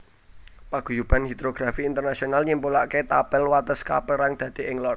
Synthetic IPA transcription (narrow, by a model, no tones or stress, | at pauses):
paɡ̥ṳjub̥a̤nhid̪̥ɾoɡ̥ɾafiːnt̪ərnasionalɲimpulaʔket̪apɛlwat̪əska̰pəɾaŋd̪̥ä̤d̪̥e̤ɪŋlɔr̚